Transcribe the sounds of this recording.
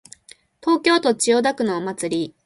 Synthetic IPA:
t̪o̞ːkʲo̞ːt̪o̞t͡ɕio̞d̪akɯ̟nomat͡sɨɾʲi

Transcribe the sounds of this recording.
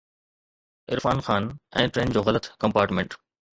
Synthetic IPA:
ɪɾfaːnxaːnɛ̰̃ːʈɾeːnd͡ʑoːɣɐlət̪kɐ̃mpaːɾʈmẽɳʈ

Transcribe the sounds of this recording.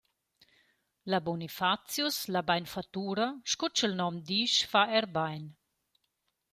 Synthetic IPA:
labɔnifat͡sjuslabajnfat̪uːɾaʃkut͡ʃəlnɔmd̪iʃfaɛɾbajn

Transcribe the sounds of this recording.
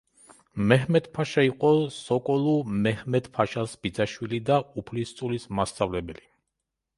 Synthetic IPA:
mɛɦmɛt̪pʰaʃaiqʼɔsɔkʼɔlˠumɛhmɛt̪pʰaʃasb̥id̪zaʃwilid̪aupʰlist̪sʼulismast̪sʼavlɛbɛli

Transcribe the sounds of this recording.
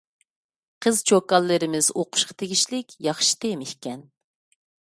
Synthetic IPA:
qʰəzt͡ʃʰokɑlˠːɨɾɪmɪz̥oqʰʊ̥ʃqʰɑ̥t̪ʰeɡʲiʃlɪkʲjɑχʃi̥t̪emɪhkʲɛn

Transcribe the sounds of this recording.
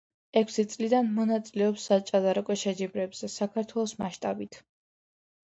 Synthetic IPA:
ɛkʰʷsit̪sʼlid̪anmɔnat̪sʼilɛɔpsːat͡ʃʼad̪aɾɔkʼɔʃɛd͡ʒibɾɛbz̥ɛsakʰaɾt̪ʰwɛlˠɔsmaʃt̪ʼabit̪ʰ

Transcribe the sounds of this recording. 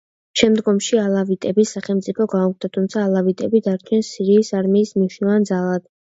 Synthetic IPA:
ʃɛmd̪ɡɔmʃialˠavit̪ʼɛbisaχɛlˠmt̪sʼipʰɔɡauk̚t̪ʰat̪ʰumt̪sʰaːlˠavit̪ʼɛbid̪aɾt͡ʃʰɛnsiɾiːsaɾmiːsmniʃnilˠand̪zalˠad̪̥

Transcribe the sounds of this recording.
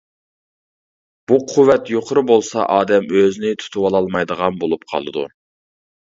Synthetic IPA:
b̥uqʰʊwːɛt̪joqʰʊɾɨbolˠsɑʔɑːd̪ɛmøznɪt̪ʰu̥t̪ʰuwɑlˠɑlˠmɑjd̪əʁɑnbolˠup̚qʰɑ̰lˠɨd̪ṵ

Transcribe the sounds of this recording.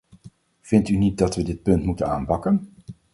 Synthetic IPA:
v̥ɪntynit̚dɑtʋədɪt̚pɵntmutəna̰ːnpɑkən

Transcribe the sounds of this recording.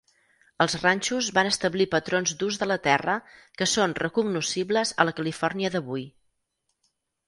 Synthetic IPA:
əlˠzranʲt͡ʃuzβanəst̪əβlipət̪ɾonzd̪uzðələt̪ɛrəkəsonrəkuɡnusiβləzə̰ləkəlifɔrniəðəβuj

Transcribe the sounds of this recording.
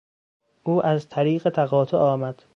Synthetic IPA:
ʔuːʔæzt̪ʰæɾiːɢet̪ʰæɣɒːt̪ʰoʔɒːmæd̪̥

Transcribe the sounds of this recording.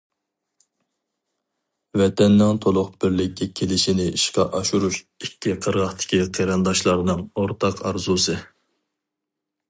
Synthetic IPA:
vɛt̪ʰɛnːɪŋt̪ʰolˠʊχb̥ɪɾlɪkʲːɛkʲʰelɪʃinɪiʃqɑʔɑʃuɾuʃ | ikʲʰːiqʰəɾʁɑχt̪ʰɪ̥kʲʰiqʰeɾɑnd̪ɑʃlˠɑɾnɨŋoɾt̪ʰɑqʰɑɾzusɨ

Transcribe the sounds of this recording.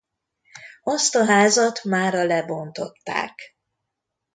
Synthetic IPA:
ɒst̪ɒɦaːzɒt̪maːɾɒlɛbo̞nt̪o̞t̪ːa̰ːk

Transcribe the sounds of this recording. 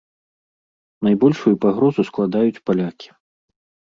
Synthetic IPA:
najbɔlʲʂujupaɣɾɔzusklˠad̪ajut͡sʲpalʲakʲi̥

